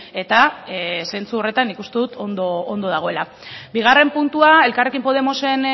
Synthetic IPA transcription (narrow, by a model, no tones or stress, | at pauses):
e̞t̪ase̞nt͡suo̞re̞t̪anːikust̪e̞ðut̪ond̪oːnd̪o̞ð̞aɣ̞o̞ela | biɣ̞are̞mpunt̪uae̞lkarekimpo̞ð̞e̞mo̞se̞n